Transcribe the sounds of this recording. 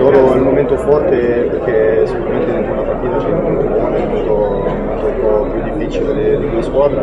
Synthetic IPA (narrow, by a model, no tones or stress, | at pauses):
soɾoɛlmoment̪ofɔrt̪eperk̟esikuɾament̪eint̪unːapart̪iːt̪at͡ʃɛnamunt̪ukoanemot̪o | ɛmolt̪ompɔpjud̪ːifːit͡ʃiled̪ed̪id̪ueskwad̪ɾe